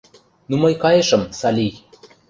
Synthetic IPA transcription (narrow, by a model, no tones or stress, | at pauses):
numɤjkɑjeʃɤ̆msɑlʲij